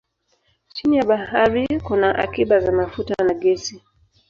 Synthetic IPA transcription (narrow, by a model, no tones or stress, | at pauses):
t͡ʃinijaɓahaɾikunaʔa̰kiɓazamafutanaɡɛsi